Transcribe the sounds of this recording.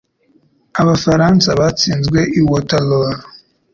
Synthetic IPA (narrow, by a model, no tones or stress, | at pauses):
aβafaɾaːnsaβat͡siːnzɡwe̞ʔiwotaloɾo